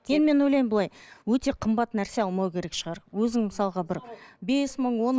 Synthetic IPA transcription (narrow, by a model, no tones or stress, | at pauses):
ed̪ɪme̞nojlɑjmbəlˠɑjwɵt̪e̞qʰəmbɑt̪ːnæɾse̞ɑlˠmɑwkʲʰe̞ɾe̞kʃəʁɑɾwɵzɪŋməsɑlˠʁɑbɪɾbe̞sməɴwo̞n